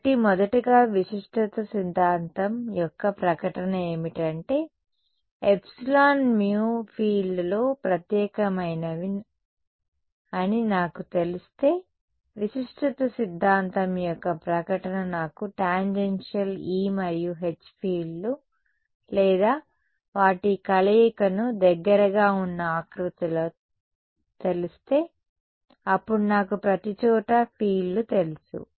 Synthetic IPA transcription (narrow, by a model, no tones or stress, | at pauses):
ʈimɔd̪ɐʈiɡaːʋiʂiʂʈʰut̪ɐsid̪ʱːaːnt̪ɐmjɔkːɐpɾɐkɐʈɐnɐe̞ːmiʈɐɳʈe̞ː | epsilaːnmjuːpʰiːɭɖloːpɾɐt̪jɛːkɐmɐjnɐʋin | ɐninaːkut̪e̞list̪e̞ː | ʋiʃiʂʈɐt̪ɐsid̪ʱːaːnt̪ɐmjɔkːɐpɾɐkɐʈɐnɐnaːkuʈaːɲd͡ʒenʂɐliːmɐjːuɦe̞t͡ʃːpʰiːlːu | lɛːd̪aː | ʋaːʈikɐleːkɐnud̪ɛɡːɐɾɐɡaːunːɐaːkɾut̪ɐloː | t̪e̞lust̪e̞ː | ɐpːuɽunaːkupɾɐt̪it͡ʃɔːʈɐpʰiːlːut̪e̞lusṵ